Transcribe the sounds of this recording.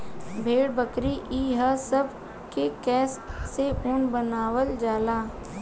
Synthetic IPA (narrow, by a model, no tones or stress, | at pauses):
bʱeːɽbəkɾiʔiːɦəsəb | kekɛːsːeʔʊnbənaːwəld͡ʒaːlaː